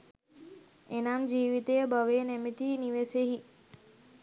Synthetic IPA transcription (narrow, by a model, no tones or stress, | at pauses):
enamd͡ʒiːʋit̪ejəbəʋenemit̪iniʋeseɦi